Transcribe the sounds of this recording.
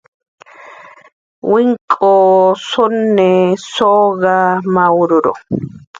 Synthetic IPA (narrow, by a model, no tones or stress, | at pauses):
wʔɪŋkʼːoːsʊnːɛsoːɡamɐwʊɾʊɾɔ̰